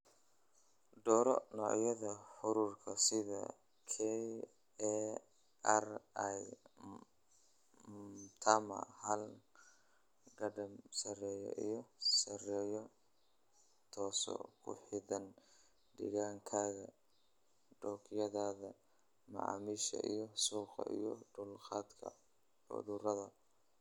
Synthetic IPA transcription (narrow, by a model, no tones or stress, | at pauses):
d̪ɔːɾɔ̰nɔʕjɐðɐħʊɾuːrkʰɐsɪðɐ̰ | kʰɛ | ɛraj | t̪ʰamɐ̰hɐl | ɡɐɖɐmsɐrɛːjɔ̰ʔijɔsɐrɛːjɔ | t̪ʰɔːsɔ̰kʰʊħɪðɐn | ɖɪ̰ɣaːŋkʰaːɣɐ | ɖɔːkʰɪjɐðaːðɐ | mɐ̰ʕɑ̰ːmiːʃɐ̰ʔijɔsuːqɐ̰ʔijɔɖʊlqɑːd̪kʰɐ̰ | ʊ̰ðʊɾɐðɐ